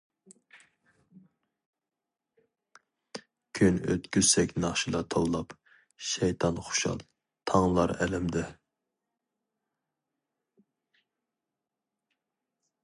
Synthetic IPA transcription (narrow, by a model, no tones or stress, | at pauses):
kʲʰynø̰t̪kʲyzsɛkʲnɑχʃilˠɑt̪ʰowlˠɑp | ʃɛjt̪ʰɑnχʊ̥ʃɑ̰lˠ | t̪ʰɑŋlˠɑɾɛ̰lɪmd̪ɪ